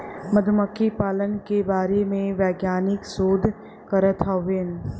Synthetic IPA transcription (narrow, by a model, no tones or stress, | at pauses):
məd̪ʱməkʰːipaːlənkebaːɾemẽʋɛːɡjaːnɪksoːd̪ʱ | kəɾət̪ʰaʋen